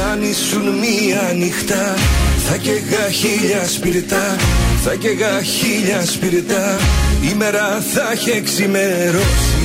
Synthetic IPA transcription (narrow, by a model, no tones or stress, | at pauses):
ɐnisunmiɐnixt̪ɐθɐceɣɐçiʎɐspiɾit̪ɐθɐceɣɐçiʎɐspiɾit̪ɐimeɾɐθɐçeksimeɾo